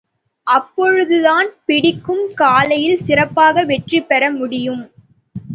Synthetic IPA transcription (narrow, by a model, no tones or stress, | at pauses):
ʔɐpːɔɻɯðɯðaːnpɪɽɪkːɯmkaːlɐjɪlsɪrɐpːaːɣɐʋɛʈripːɛɾɐmʊɽɪjɯm